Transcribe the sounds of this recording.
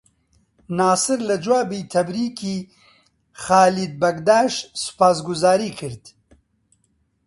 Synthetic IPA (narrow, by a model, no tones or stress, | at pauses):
naːsɨɾlɐd͡ʒwaːbiːt̪ʰɐbɾiːkʰiː | xaːlid̪̚bɐɡd̪aːʃsɨ̥paːs̬ɡʊzaːɾiːkʰɨɾd̪